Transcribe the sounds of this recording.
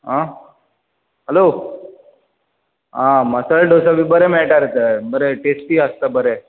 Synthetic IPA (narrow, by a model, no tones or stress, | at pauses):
ɦã | ɦəlo | ɦãməsəɭɖosabʱiːbəɾemeɭʈaɾet̪əbəɾeʈesʈiːɦəst̪abəɾe